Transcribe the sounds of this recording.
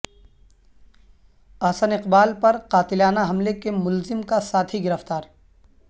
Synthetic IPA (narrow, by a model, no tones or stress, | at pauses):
aːsənɪqbaːlpɐɾqaːt̪ɪlaːnaɦɐmlekemʊlzɪmkasaːt̪ʰiɡɪɾəft̪aːɾ